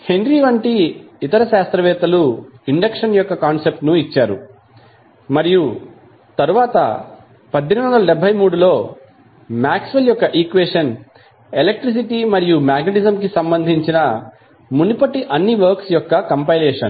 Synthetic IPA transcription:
he̞nɖɾiʋɐɳʈiit̪ɐɾɐʃaːst̪ɾɐʋɛːt̪ɐluiɳɖɐkʂɐnjɔkːɐkaːnsep̚ʈnuit͡ʃːaːɾṵ | mɐɾiju | t̪ɐɾuʋaːt̪ɐ̰ | pɐd̪ʱːinʋɐnd̪ɐlɐɖɛbʱɐjmuːɽulo̞ː | maːksʋɐljɔkːɐʔiːkʋeːʂɐn | elek̚ʈɾis̬iʈimɐɾijumaːɡɐʈizɐmkisɐmbɐnd̪ʱiɲt͡ʃinɐ | munipɐʈiʔɐnːiʋɐɾksjɔkːɐkɐmpɐjlɛːʂɐn

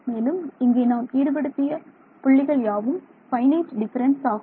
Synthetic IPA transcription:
meːlɯmɪŋɡeːnaːmiːɾɯpɐɽɯt̪ːɪjɐ | pʊɭːɪɣɐɭjaːʋɯm | fɐɪnɐːsɖɪfɐɾɐnsaːɣɯ

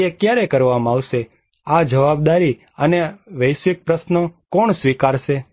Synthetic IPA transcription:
ekjaɾekəɾʋamaʋʃe | ad͡ʒəʋab̚d̪aɾi | əneʋəjʃʋɪk̚pɾəsnəkɔɳsʋikaɾʃe

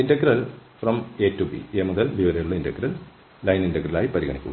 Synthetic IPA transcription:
indɐk̚ɾɐlfrɐmeːtːubḭeːmuðɐlʋiʋɐɾɐjuɭːɐindɐkrɐlː | ɐjninɖɐkrɐla̰ːjipɐɾiɣɐ̰ɳikʲːṵɣɐ

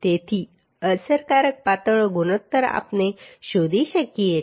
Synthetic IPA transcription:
t̪et̪ʰiː | əsəɾkaɾək̚pat̪əɭɡunot̪ːəɾa̰pneɕod̪ʱiɕəkːijet̪

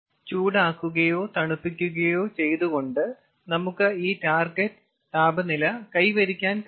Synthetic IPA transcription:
t͡ɕuːɽaːkːuɣɐjo̞ːt̪ɐɳupːik̬ʲːuɣɐjo̞ːt͡ɕe̞jt̪uɣo̞ɳɖɨ | nɐmukːɨiːtaːrɡɐtː | t̪aːbɐnilɐkɐjʋɐɾikʲːaːnk

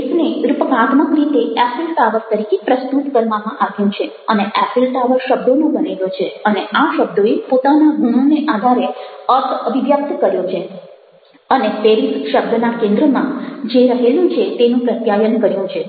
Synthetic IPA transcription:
isneuɾupəkat̪məkɾit̪eɛpilʈaʋəɾt̪əɾikepɾəst̪ut̪kəɾʋamãʔaɡjũt͡ʃʰe | əneʔɛpilʈaʋəɾʃəb̚d̪onũbənelot͡ʃʰeəneaʃəb̚d̪ʱoepot̪anaɡʱuñoneʔad̪ʱaɾeəɾt̪ʰəbiʋjəp̚t̪kəɾjot͡ʃʰe | ənefeɾisʃəbd̪ʱənakẽnd̪ɾəmã̰d͡ʒeɾəɦelũt͡ʃʰet̪enũpɾət̪jajənkəɾjũt͡ʃʰe

